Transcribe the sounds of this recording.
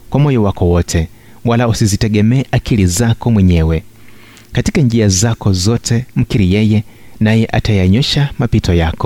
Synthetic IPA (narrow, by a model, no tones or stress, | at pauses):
kwamɔjɔwakɔwɔtʰɛ | walausizitɛɠɛmɛːʔakilizakɔmwɛɲɛwɛ | katikand͡ʒiazakɔzɔtʰɛm̩kiɾijɛjɛnajɛʔatʰajaɲɔʃamapitʰɔjaːkɔ